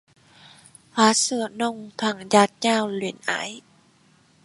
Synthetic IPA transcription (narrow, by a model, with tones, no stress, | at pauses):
ʔaː˧˦sɯ˧˩ənɔ˧˩ŋt̪ʰa˧˩ŋjaː˧˥t̪̚ɲaː˧˩˨wli˨˩˦nʔa̰˧˨˦j